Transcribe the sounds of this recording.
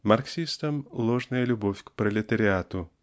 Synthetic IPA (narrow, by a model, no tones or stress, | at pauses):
marksʲist̪əmlˠoʐnəjəlʲʊbofʲkpɾəlʲɪt̪əɾʲɪat̪ʊ